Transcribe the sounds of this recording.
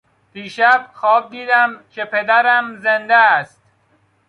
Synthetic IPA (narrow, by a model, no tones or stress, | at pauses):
piːʃæb̚xɒːb̚d̪iːd̪æmcʰe̞pʰe̞d̪æɾæmzend̪ææst̪